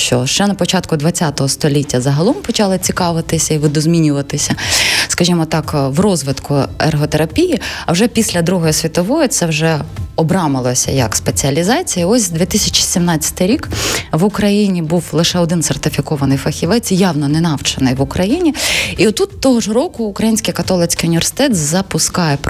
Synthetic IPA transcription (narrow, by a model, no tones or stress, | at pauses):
ʃt͡ʃɔʃt͡ʃɛnɐpɔt͡ʃɑt̪kʊd̪ʋɐt͡sʲat̪ɔɦɔst̪ɔlʲitʲːɐzɐɦɐlˠɔmpɔt͡ʃɑlˠɪt͡sʲikɑʋɪt̪ɪsʲɐiʋɪd̪ɔzmʲinʲʊʋɐt̪ɪsʲɐskɐʒimɔt̪ɑkwrɔzʋɪt̪kʰʊḛrɦɔt̪eɾɐpʲijɪɐwʒɛpʲisʲlʲɐd̪ɾuɦɔjisʲʋʲit̪ɔʋɔjɔt̪sɛwʒɛɔbɾɑmɪlˠɔsʲɐ̰jɐ̰kspet͡sʲiɐlʲizɑt͡sʲijɐɔsʲd̪ʋʲit̪ɪsʲɐt͡ʃi̥sʲimnɑt͡sʲːɐ̥t̪ɪjɾʲikʋʊkɾɐjinʲibuwlˠɪʃɛɔd̪ɪnsert̪ɪfʲikɔʋɐnɪjfɐxʲiʋɛt͡sʲjɑwnɔnɛnɑwt͡ʃɐnɪjʋʊkɾɐjinʲiiɔt̪ːut̪ːɔɦɔʒɾɔkʊːkɾɐjinʲsʲkɪjkɐt̪ɔlˠɪt͡sʲkɪjʊnʲiʋʲersɪ̥t̪ɛt̪zɐpʊskɑjɛp